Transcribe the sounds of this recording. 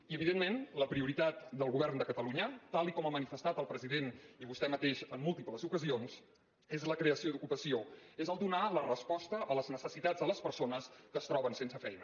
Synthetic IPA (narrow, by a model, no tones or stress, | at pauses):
iəβiðenmenləpɾiuɾit̪at̪̚d̪əlˠɣuβɛrnd̪əkət̪əluɲət̪alˠikɔməmənifəst̪at̪əlˠpɾəziðeniβust̪ɛmət̪eʃəmːulˠt̪ipləzukəzions | ezləkɾeəsiod̪ukupəsioezəlˠd̪unalərəspɔst̪əʔələznəsəsit̪ad͡zðələspəɾsonəskəst̪ɾɔβənsensəfɛjnə